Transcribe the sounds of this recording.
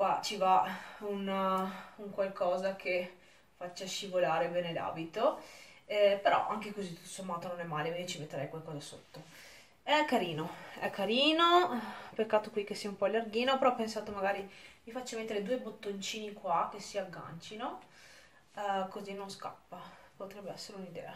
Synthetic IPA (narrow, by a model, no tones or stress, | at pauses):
kwat͡ʃivaun | uŋkwalkɔːzakʰe | fat͡ʃːaʃivolaːɾebɛːnela̰ːbit̪o | ɛpeɾɔ̰ʔaŋkekozit̪u̥t̪ːosomːaːt̪ononɛmːaːlekwind̪it͡ʃimet̪ːeɾɛjkwalkɔːzaso̰t̪ːo | ɛkːaɾiːnoɛ̰kːaɾiːnopekːaːt̪okwikesːiːaumpɔalːarɡiːnopeɾɔpːensaːt̪omaɡaːɾimifat͡ʃːamet̪ːeɾed̪uːebot̪ːont͡ʃiːnikwak̟esiaɡːa̰nt͡ʃino | kozinːonska̰pːapot̪ɾɛbːeɛsːeɾeunid̪ɛ̰ːa